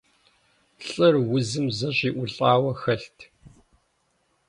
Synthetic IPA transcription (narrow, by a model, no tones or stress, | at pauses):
ɬʼɐrwʊzɨmzɐɕiːʔʷʊɬʼaːwɐxɐɬtʰ